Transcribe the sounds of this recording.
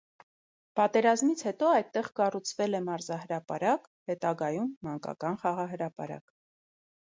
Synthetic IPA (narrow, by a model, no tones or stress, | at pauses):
pɑt̪ɛɾɑzmit͡sʰhɛt̪ɔɑjd̪̚t̪ːɛʁkɑrut͡sʰvɛlɛmɑɾzɑhəɾɑpɑ̰ɾɑk | hɛt̪ɑɡɑjumːɑŋkɑ̰kɑnχɑʁɑɦəɾɑpɑ̰ɾɑ̰k